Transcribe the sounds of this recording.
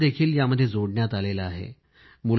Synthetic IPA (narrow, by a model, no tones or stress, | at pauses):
d̪ekʰiːljaməd̪ʱːjed͡zoɽɳjat̪alelaːɦḛ | mul